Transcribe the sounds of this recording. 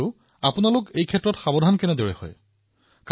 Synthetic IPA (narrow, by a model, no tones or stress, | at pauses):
ʊ | apunalʊkejkʰɛtːɹɔtxabɔdʱankɛnɛdoɹɛ̰hɔ̰j | k